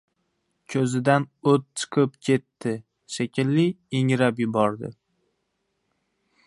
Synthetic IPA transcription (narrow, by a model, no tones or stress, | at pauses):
kʲʰɵzɪd̪anot̪̚t͡ʃʰɨ̥qʰɨpkʲʰe̞t̪ːɪ | ʃekʲʰɪlːɪ | eŋɾapjɪbɒɾd̪ɪ̰